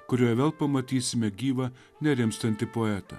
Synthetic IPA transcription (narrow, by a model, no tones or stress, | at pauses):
kʊɾʲoːjɛʋʲeːlˠpɐmɐt̪ʲiːsʲɪmʲɛɡʲiːʋɐ | nʲɛɾʲɪmst̪ɐnt̪ʲɪpoːɛt̪ɐ̰